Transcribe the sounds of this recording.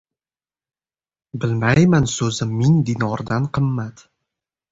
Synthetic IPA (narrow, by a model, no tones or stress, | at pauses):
bɪlmajmansɵzɪmːiŋd̪inɒɾd̪anqʰɨmːat̪